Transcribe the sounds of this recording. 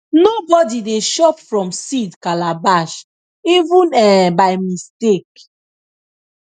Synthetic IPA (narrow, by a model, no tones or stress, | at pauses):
nobɔdideʃɔpfɹɔ̃msidkalabaʃ | ivũnɛ̃bajmistek